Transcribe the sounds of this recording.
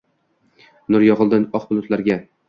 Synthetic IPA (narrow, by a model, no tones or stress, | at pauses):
nʊɾjɒʁɨlˠd̪ɪnɒqbʊlˠʊt̪laɾɡʲa